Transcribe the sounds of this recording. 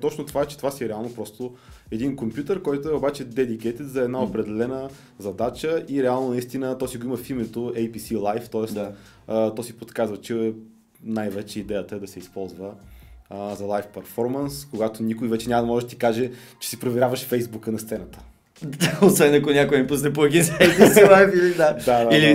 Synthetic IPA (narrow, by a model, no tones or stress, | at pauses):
t̪ɔt͡ʃnot̪ovaɛt͡ʃɛ̥t̪ovasiɾɛalˠnopɾɔst̪oɛd̪inkompjut̪əɾkɔjt̪oɛobat͡ʃɛd̪ɛd̪ikɛt̪ɛt̪zɐɛd̪naopɾɛd̪ɛlɛnə | zɐd̪at͡ʃəʔiɾɛalˠnonɐist̪inət̪ɔsiɡoiməfimɛt̪oɛjpisilˠajft̪ɔɛst̪ː | t̪ɔsipot̪kazvət͡ʃɛ | najvɛt͡ʃɛid̪ɛjət̪əɛd̪ɐsɛispɔlˠzvə | zɐlˠajfpɛɾfɔɾmɐnskoɡat̪onʲikojvɛt͡ʃɛnʲaməd̪ɐmɔʒɛd̪ɐt̪i̥kaʒɛ | t͡ʃɛ̥sipɾovɛɾʲjavəʃfɛjzbukənɐst̪sɛnət̪ə̥ | aosvɛnɐkonʲakojnɛpusnɛpoɛd̪inɛjpsilˠajfilid̪ad̪ad̪aili